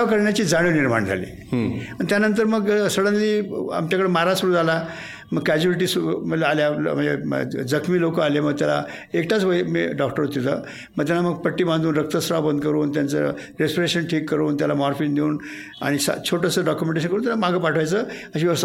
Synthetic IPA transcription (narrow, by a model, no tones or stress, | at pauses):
akəɾɳjat͡ɕiːd͡zaɽ̃iːniɾma̰ɳd͡zʱa̰lḭː | aɳit̪ʲjanənt̪̬əɾməɡsəɽənliːa̰mt͡ɕjakəɽemaɾad͡ʑsuɾũala | məɡ̚kæd͡ʑuiʈ̬isməlaljamənd͡zḛd͡zəkʰmiːlokəaleməɡ̚t̪jala̰ekʈʰat͡sʋəjmḭːɖɔkʈəɾot̪ːit̪ə̰ː | məɡt̪jalaməɡ̚pəʈːiːbãnd̪uːnɾək̚t̪əsɾabənd̪ʱkəɾuːnt̪̬jant͡sə̰ | ɾespiɾeɕənʈʰiːkːəɾuːnt̪̬jalamɔɾfiːnd̪euːn | a̰ɽ̃isa̰t͡ɕʰoʈəsəɖɔkjumẽɳʈeɕ̬ənkəɾunt̪jalamaɡʱəpaʈʰʋajt͡səːəɕiʋjəʋəst̪ʰa